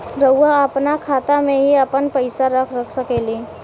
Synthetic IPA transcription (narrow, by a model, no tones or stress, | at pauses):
ɾəːaəpnakʰaːt̪amẽɦiəpənpəɪsaɾəkʰɾəkʰsəkeliː